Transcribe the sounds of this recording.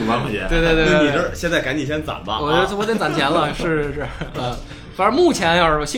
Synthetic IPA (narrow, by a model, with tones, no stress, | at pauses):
ɑ˥˨˩ɛ̰˧˦we˥˧t̪we˥˧t̪wo˥˧ni˨˩ʈ͡ʂə˥˧ɕjɛ˥˧nt͡sa˥˩ɪka˧˥ni˨˩ɕjɛ˥nt͡sa̰˨˩nbɐ̰˦˧wɔ˨˩t͡ɕsʰwɔ˥t̪t͡sa˨˩nt͡ɕʰjɛ˧˥nlə˧ʂɻ̩˥˩ʈ͡ʂə˨˩ə˥˧˩ | fa˧˥ə˧˥mu˥˩t͡ɕʰjɛ˧˥n˥˧˩ɔ˧˩ɕi˥